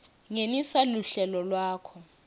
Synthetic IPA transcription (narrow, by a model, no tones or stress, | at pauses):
ŋenisaluɬɛlɔlwaːkʰɔ